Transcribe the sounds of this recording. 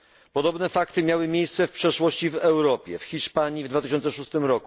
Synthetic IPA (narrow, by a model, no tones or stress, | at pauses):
pɔd̪ɔbnɛfakt̪ɘmʲjawɘmʲjejst̪sɛfpʂɛʂwɔɕt͡ɕivɛwɾɔpʲjɛ̰fxʲiʂpaɲjivd̪vat̪ɘɪɕ̬ɔnt̪sɛʂust̪ɘmɾɔku